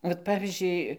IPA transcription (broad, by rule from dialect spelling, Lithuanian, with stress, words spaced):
ʋɐt ˈpɑːʋʲiːzʲd͡ʒʲʊɪ